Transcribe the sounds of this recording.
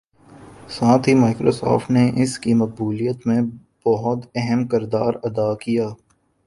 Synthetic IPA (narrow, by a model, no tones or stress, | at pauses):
saːt̪ʰimaːɪkɾo̰sɔ̰ːfʈneʔɪskimɐq̚buːlijət̪mẽ | b̥ɔɦʊt̪ɛɦɛmkɪɾd̪aːɾɐd̪aːkijaː